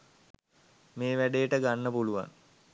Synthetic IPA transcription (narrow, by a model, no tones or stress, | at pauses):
meːʋæɖeːʈəɡanːəpuluʋa̰ŋ